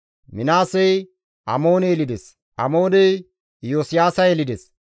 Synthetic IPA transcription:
mɪnaːsɛj | ʔɐmo̞ːnɛjɛlɪd̪ɛs | ʔɐmo̞ːnɛj | joːsɪjaːsɐjɛlɪd̪ɛs

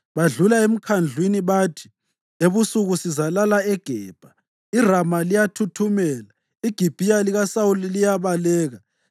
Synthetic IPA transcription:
βaɮulaem̩kʰand͡ɮʱwiniβaːtʰi̥ | eβusuɣusizalalaɛɡ̥ʱɛːb̥ʱa | iramalijatʰutʰumɛːla | iɡ̥ʱib̥ʱijaliɣasawulilijaβalɛːɣa

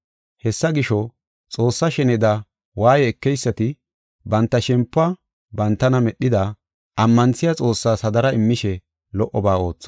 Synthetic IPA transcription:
hɛsːɐɡɪʃɔ | t͡sʼo̞ːsːɐʃɛnɛd̪ɐ | waːjɛːkːɛjsːɐt̪ɪ | bɐnt̪ːɐʃɛmpːɐ | bɐnt̪ːɐnɐmɛɗɪd̪ɐ | ʔɐmːɐnt͡sːɪjat͡sʼo̞ːsːaːsɐd̪ɐɾɐɪmːɪʃɛ | lɔʔːɔbaːo̞ːt͡sːɔ̥

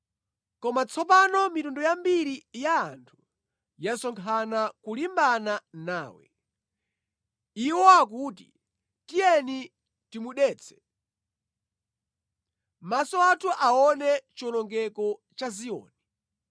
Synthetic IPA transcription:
kɔmat͡sʰɔpanɔmitundɔjambiɾijaːntʰu̥ | jasɔŋkʰanakulimbananaːwɛ̰ | iwɔak̬uːt̬i | tijɛni | timuɗɛːt͡sʰɛ̥ | masɔatʰuʔaɔnɛt͡ʃɔlɔŋɡɛkɔt͡ʃaziɔ̰ːnɛ

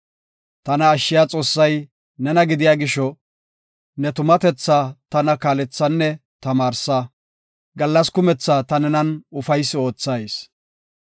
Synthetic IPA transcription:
t̪ɐnɐːʃːɪjaːt͡sʼo̞ːsːɐj | nɛnɐɡɪd̪ɪjaːɡɪʃɔ | nɛt̪ʊmɐt̪ɛt͡sːaːt̪ɐnɐkaːlɛt͡sːɐnːɛt̪ɐmaːɾsaː | ɡɐlːɐskʊmɛt͡sːaːt̪ɐnɛnɐnʊfɐjsːɪo̞ːt͡sːɐjs

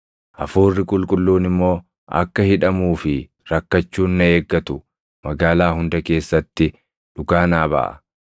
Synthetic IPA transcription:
ʔɐfuːrːɪkʼʊlkʼʊlːuːnɪmːo̞ː | ʔɐ̰kːɐhɪᶑɐmuːfɪ | ɾɐkːɐt͡ʃːuːnːɐe̞ːɡːɐt̪ʊ | mɐɡaːlaːɦʊnd̪ɐke̞ːsːɐt̪ːɪ | ᶑʊɡaːnaːbɐ̰ʔɐ̰

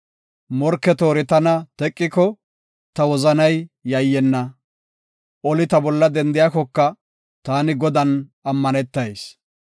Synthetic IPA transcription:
mɔɾkːɛt̪o̞ːɾɪt̪ɐnɐt̪ɛkʼːɪkɔ | t̪ɐwɔzɐnɐjːɐjːɛnːɐ | ɔlɪt̪ɐbɔlːɐd̪ɛnd̪ɪjaːkɔkːɐ | t̪aːnɪɡɔd̪ɐnɐmːɐnɛt̪ːɐjs

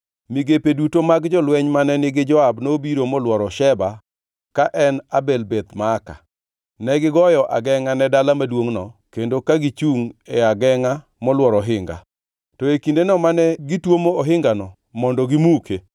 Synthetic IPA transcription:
miɡepedutomaɡd͡ʒɔlwɛɲmanɛnɪɡɪd͡ʒɔabnobiɾomɔlwɔɾɔʃɛba | kaʔɛnabelbet̪maːka̰ | nɛɡɪɡɔjɔʔa̰ɡɛŋanɛdalamadwoŋnɔkendokaɡit͡ʃuŋeaɡɛŋa | mɔlwɔɾɔɦɪŋɡa̰ | tɔekindenɔmanɛɡɪtwomoːɦɪŋɡanɔ | mɔndɔɡɪmukʰe

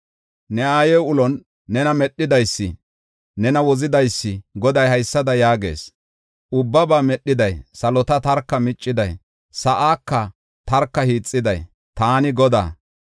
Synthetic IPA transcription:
nɛaːjɛwʊlɔnː | ɛnɐmɛɗːɪd̪ɐjsːɪ̰ | nɛnɐwɔzɪd̪ɐjsːɪɡɔd̪ɐjhɐjsːɐd̪ɐjaːɡe̞̰ːs | ʊbːɐbaːmɛɗːɪd̪ɐjsɐlɔt̪ɐt̪ɐɾkːɐmɪt͡ʃʼːɪd̪ɐj | sɐʔaːkːɐ | t̪ɐɾkːɐhiːt͡sʼːɪd̪ɐj | t̪aːnɪɡɔd̪a̰ː

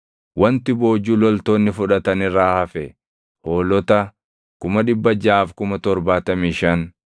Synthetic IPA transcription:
wɐnt̪ɪbo̞ːd͡ʒuːlɔlt̪o̞ːnːɪfʊᶑɐt̪ɐnɪraːhɐfɛ | ho̞ːlɔt̪ɐ | kʊmɐᶑɪbːɐd͡ʒaːfkʊmɐt̪ɔɾbaːt̪ɐmiːʃɐn

